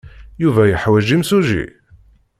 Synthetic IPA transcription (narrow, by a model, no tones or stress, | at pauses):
juvæjəħwæʒimsuʒḭ